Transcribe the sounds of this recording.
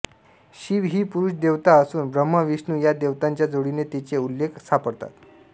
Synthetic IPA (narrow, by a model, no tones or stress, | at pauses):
ɕiʋɦiːpuɾuʂd̪eʋt̪aəsuːnbɾəmːəʋiʂnujad̪eʋt̪aɲt͡ɕjad͡zoɽinet̪it͡seulːekʰsapəɽt̪a̰t̪